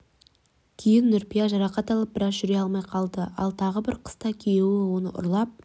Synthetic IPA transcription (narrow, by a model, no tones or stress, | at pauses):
kʲʰejɪnːʏɾpijɑʒɑɾɑqɑt̪ɑlˠəp̚bɪɾɑzʒʏɾeɑlˠmɑjqʰɑlˠd̪əɑ̰lˠt̪ʰɑʁəbɪɾqʰə̥st̪ɑkʲʰejewɪwo̞nə̰ʔʊ̰ɾlˠɑp̚